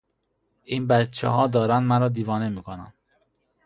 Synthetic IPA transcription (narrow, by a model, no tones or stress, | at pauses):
ʔiːnbæt̪̚t͡ʃʰḛɦɒːd̪ɒːɾænd̪mæɾɒːd̪iːvɒːnemiːkʰonæ̰n